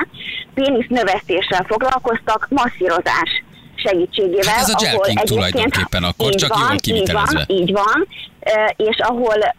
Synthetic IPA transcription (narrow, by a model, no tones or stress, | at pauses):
peːnisnø̞vɛst̪eːʃːɛlfo̞ɡlɒlko̞st̪ɒkmɒsːiɾo̞za̰ːʃ | ʃɛɡiːt͡ʃːeːɡeːvɛlɒɦolɛɟeːpjdkeːnt̪eniːɟvɒniːɟvɒniːɟvɒn | eːʃɒɦo̞l